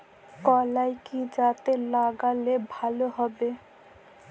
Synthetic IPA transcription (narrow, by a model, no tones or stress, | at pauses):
kɔlajkid͡ʒat̪elaɡalebʱaloɦɔbe